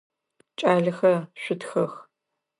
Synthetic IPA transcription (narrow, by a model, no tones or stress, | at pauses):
t͡ʃʼaːɮɐxɐʃʷʊtʰxɐx